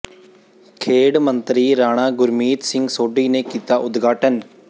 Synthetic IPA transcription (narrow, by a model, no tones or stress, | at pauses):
kʰeːɽmə̃nt̪ɾiːɾaːɽ̃aːɡʊɾmiːt̪sɪ̃ŋɡsoːɖiːneːkiːt̪aːʔʊd̪ɡʱaːʈən